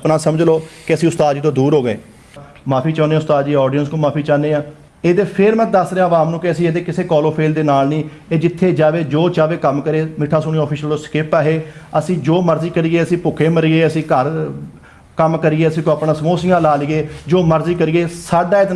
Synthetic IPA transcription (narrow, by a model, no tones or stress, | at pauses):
əpnãːsəməd͡ʒloːkɪəsĩːʊst̪aːd̪d͡ʒiːt̪õːd̪uːɾɦoːɡəḛː | maːpʰiːt͡ʃɔ̃ːneːʊst̪aːd̪d͡ʒiːɔːɖijənskõːmaːpʰiːt͡ʃaːneːãː | eːd̪eːpʰɪɾmə̃t̪̚d̪əsɾeãːəʋaːmnũːkɪəsĩːeːd̪eːkɪseːkɔːloːpʰeːld̪eːnaːlnĩː | eːd͡ʒɪt̪ʰːeːd͡ʒaːʋeːd͡ʒoːt͡ʃaːʋeːkəmkəɾeːmɪʈʰːaːsʊːniːɔːpʰiːʃəlt̪õːskɪpaːɦeːəsĩːd͡ʒoːməɾziːkəɾiːeːəsĩːpʊːkʰeːməɾieːəsĩːkəɾ | kəmkəɾiːeːəsĩːkoːaːpnãːsəmoːsɪjãːlaːliːeːd͡ʒoːməɾziːkəɾiːeːsaːɖaːet̪